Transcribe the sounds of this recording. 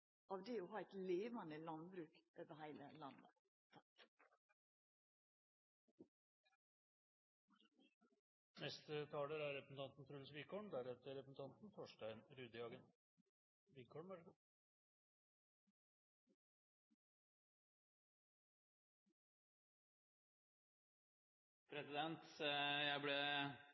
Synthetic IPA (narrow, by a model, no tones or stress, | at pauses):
ʔɑʋd̪eɔɦɑːɛɪt̪leːʋɑnəlɑnbɾʉːkʔøːʋəhæɪləlɑnːə̰ | t̪ʰɑ | nɛst̪ət̪ʰɑːləɾæɾɛpɾəsn̩t̪ʰɑnt̪n̩t̪ʰɾʉːlsʋɪkʰɔɳd̪æɾɛt̪ːəɾɛpəsn̩t̪ʰɑnt̪n̩t̪ʰoːʂʈæɪnɾʉːd̪ɪɑːɡən | ʋɪkʰɔɳʋəɾɡə | pʰɾɛsɪd̪ɛnt̪jæɪblɛ